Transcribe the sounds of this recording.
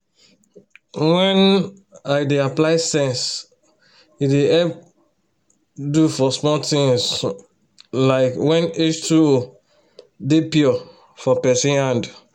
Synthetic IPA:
wɛ̃n | aɪdeaplaɪsɛ̃ns | ideɛp̚ | dufɔsmɔt̪ĩŋs | laɪkwɛ̃net͡ʃtuo | depiɔ | fɔpɛsĩnhãnd

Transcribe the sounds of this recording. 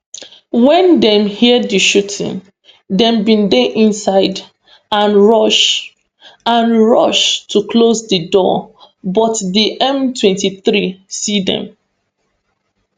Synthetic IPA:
wɛ̃ndɛ̃mhiədiʃutʰḭ̃n | dɛ̃mbĩndeʔĩnsaɪd | ãnɹɔʃ | ãnɹɔʃtʰukʰlozdədɔ̰ | bɔtdiʔɛ̃mtwɛ̃ntiθɹisidɛ̰̃m

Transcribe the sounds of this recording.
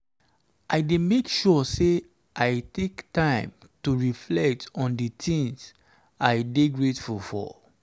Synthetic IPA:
ʔaɪdemekʃɔse | ʔaɪtektãɪ̃m | tuɹiflɛk̚tɔ̃nditĩŋs | aɪdeɡɹetfulfɔ̰

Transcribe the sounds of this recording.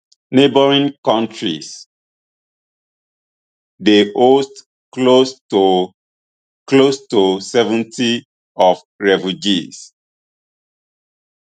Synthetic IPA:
nebəɹĩŋkãntɹḭs | deʔost | klost | klostusɛvə̃ntʰi | ɔf | ɹɛfjud͡ʒis

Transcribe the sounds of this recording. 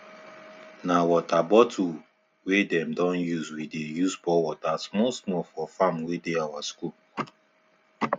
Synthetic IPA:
nawɔtabɔtʰu | wedɛ̃mdɔ̃njuzwidejusbɔwɔtasmɔlsmɔfɔfãmwedeawaskul

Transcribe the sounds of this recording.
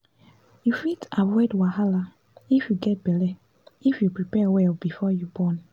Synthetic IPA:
jufitawɛdwaɦala | ifjuɡɛt̚bɛlɛ | ifjupɹipɛwɛlbifɔjubɔn

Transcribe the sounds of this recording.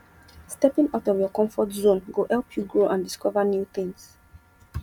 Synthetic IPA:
stɛpĩŋaʊtɔvjɔkɔ̃ɱfɔtzõnɡohɛlˠpʰjuɡɹoʔãndiskɔvənjuθĩŋs

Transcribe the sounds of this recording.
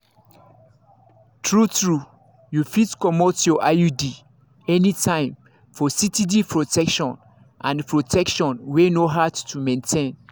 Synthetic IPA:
tʰɹutɹu | jufitkɔmotjɔʔajudi | ɛnitʰãɪ̃m | fɔsitidipʰɹɔtɛkʃɔ̃n | ʔã̰npʰɹotʰɛkʃɔ̃nwenoɦadtʰumẽntʰẽn

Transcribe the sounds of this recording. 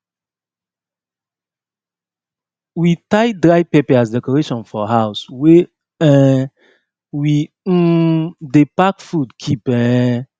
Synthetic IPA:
witaɪdɹajpɛpɛasdɛkɔɹeʃɔ̃nfɔɦaʊswe | ɛ̃ | wi | depakfudkʰipɛ̃

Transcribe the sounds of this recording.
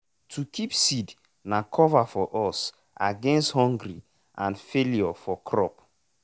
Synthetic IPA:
tʰukʰipsid | nakʰɔvafɔʔɔs | ʔaɡɛ̃nsthɔ̃ŋɡɾi | ã̰nfeljɔfɔkʰɹɔp

